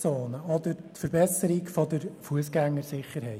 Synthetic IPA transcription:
soːnəɔd̪əɾtfəɾbɛsəɾikfɔd̪əɾfuəsɡæŋːəɾsɪχəɾɦɛɪ

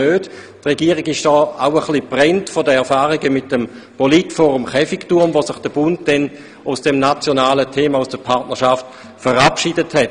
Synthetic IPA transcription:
øːt | tʁeɡiːəʁɪɡɪʃd̥ɔːaʊəχlipʁɛntfodəɛɐfaːʁiɡəmɪtːəm | politfɔːʁumχɛfiktuɐmvosɪχd̥əb̥ʊntdɛn | ʊsd̥ɛmnat͡sjonaːlətʰeːmausd̥əpʰaɐtnəɐʃaft | fəʁapʃidəthɛt

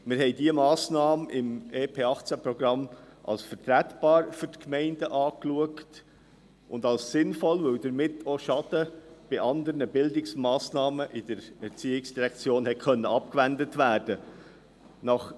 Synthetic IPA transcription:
mɪɾɦhɛɪdiəmɑːsnɑːməʔɪmeːpʰeːɑχt͡sæpɾɔɡɾɑmʔɑ̰lsfəɾtɾætb̥ɑːɾfʏɾtkmɛɪndəʔɑːkluəkt | ʔʊndɑlssɪnfɔlvɵwd̪əɾmɪtʰoʃɑd̥əb̥ɪʔɑnd̪əɾnəbɪldɪksmɑːsnɑːməʔɪd̥əɾɛɾt͡siːɪksd̥iɾɛkt͡sjoːnhɛtkœnːəɑp̚kvændətvæːɾd̥ə | nɑχ

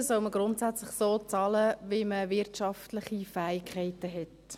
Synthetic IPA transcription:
sɔʊməɡ̥ɾʊntsæt͡slɪχsoːt͡sɑːləʋɪməvɪɾtʃɑftlɪχifæːɪkʰχɛɪtəɦɛt

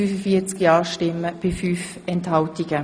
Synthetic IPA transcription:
yːfəfiːt͡skjɑːʃtɪmːəb̥ɪfyːf | ɛnthɑltiɡ̥ə

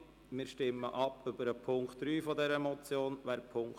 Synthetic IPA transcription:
mɪːɾʃtɪmːəʔɑpːʏbəɾəpʰʊŋktɾyːfɔd̪ɛɾəmɔt͡sjoːnʋæːɾpʰʊŋk

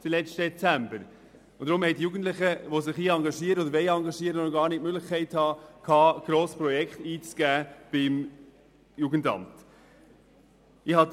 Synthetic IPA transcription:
dilɛt͡ʃtə̥ɛt͡sæmbəɾ | ʊd̥ɾʊmhɛɪtjuːɡən̩tlɪχəʋosɪχiːɑŋɡɑʃiːəɾəodəɾʋɛɪɑŋɡɑʃiəɾənoɡ̥ɑːɾniːtmøɡlɪχkʰɛɪthɑːkʰɑːɡ̥ɾoːspɾɔjɛkχtiːt͡sɡ̥æːb̥ɪm | juːɡəntɑ̰mt | ɪhɑ

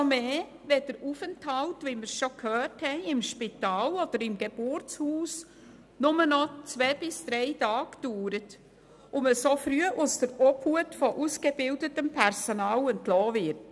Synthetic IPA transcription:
ɔmeː | vɛdəɾufɛnthɑltʋiməɾsʃɔkʰhœːthɛɪɪmʃpitɑːlɔd̥̪əɾɪmɡ̥eb̥ʊɾt͡shuːs | nʊmənɔt͡sʋɛːb̥ɪsd̥ɾɛɪtɑːkd̥uːɾət | ʊməsofɾyəʔʊsd̥əɾɔphuətfɔʔuskebɪldətəmpʰɛɾsɔnɑːlɛntlɔːvɪɾt

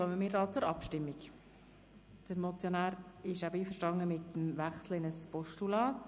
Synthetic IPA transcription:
œməmɪːɾdɑːt͡sʊɾɑ̰pʃtɪmːik | d̥əɾmɔt͡sjonæːɾɪʃæbəiːfəɾʃtɑŋəmɪt̪əmʋæχsləɪnəspɔʃtulɑːt

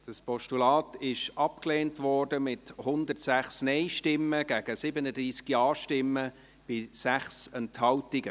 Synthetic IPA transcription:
d̥ɑspɔʃtulɑːtɪʃʔɑpkleːntvɔrdəmɪthʊnd̪ərtsæχsnɛɪʃtɪmːəɡ̥æɡ̥əsɪbənədɾiːsɡ̥jɑːʃtɪmːə | b̥ɪsæχsɛnthɑwtiɡə

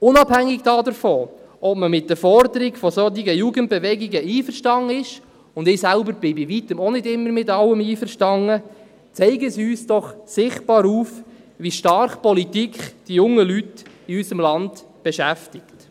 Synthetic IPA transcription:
ʊnɑbhæŋːɪɡd̥ɑːdəɾfɔ | ʔɔpməmɪt̚d̥əfɔɾdəɾiɡfɔsɔt̪iɡəjuːɡənt̚b̥eʋɛɡiɡəʔiːfəɾʃtɑŋːəɪʃ | ʊndɪːsælbəɾbɪbiʋitəmɔnɪdɪmːəɾmɪtɑləmiːfəɾʃtɑŋːə | t͡sɛɪɡəsyːsd̥ɔχsɪχt̚b̥ɑːɾuːf | ʋiʃtɑɾχpɔlitikχd̥ijʊŋːəlyt | iysəmlɑnd | b̥ɛʃæftɪkt

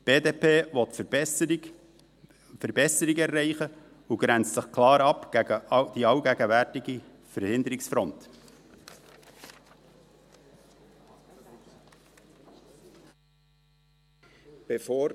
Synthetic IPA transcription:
b̥eːd̪eːpʰeːvɔt̪f | fəɾbɛsəɾɪɡɛɾːɛɪχə | uɡ̥ɾænt͡stsəχkʰlɑːɾɑpɡ̥æɡəd̥iɑwɡæɡəvæɾtɪɡi | fəɾhɪnd̪əɾɪksfɾɔnt | b̥efoː

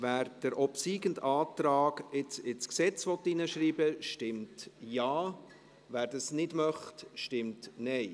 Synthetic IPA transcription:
væːɾd̥əɾɔpsiːɡəntɑːt̪ɾɑːɡɪt͡sɪt͡sksɛt͡sʋɔtːinəʃriːbəʃtɪmtjaː | væːɾd̥ɑsnɪdmœχtʃtɪmtnɛɪ

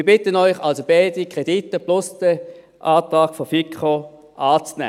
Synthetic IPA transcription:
b̥ɪtənɔʏχalsobɛɪdikʁ̥editːəplʊsd̥ə | ʔaːtʁɑːɡ̥fɔfikʰχo | ʔaːt͡snɛ̰ː

